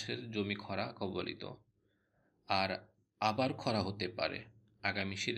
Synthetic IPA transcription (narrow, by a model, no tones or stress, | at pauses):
ʃeɾd͡ʑomikʰɔɾakɔbolḭt̪o̰ | aɾ | abaɾkʰɔɾaɦot̪epa̰ɾḛ | aɡamiʃiɾ